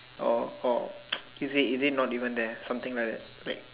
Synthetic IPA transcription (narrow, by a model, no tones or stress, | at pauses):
ɔ̰ɔ | izitizit̚nɔtivə̃nd̪ɛsãmt̪ĩŋlajk̚dɛ̰t̚ɹa̰ɪt̚